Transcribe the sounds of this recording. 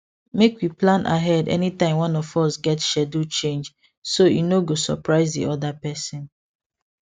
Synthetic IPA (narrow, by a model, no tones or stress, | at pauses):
mekwiplãnʔa̰ɦɛdɛ̰nitãɪ̃mwãnɔfɔsɡɛtʃɛdut͡ʃẽnd͡ʒ | sojḭnoɡosɔ̰pɹaɪzdḭʔɔdapɛsɔ̃n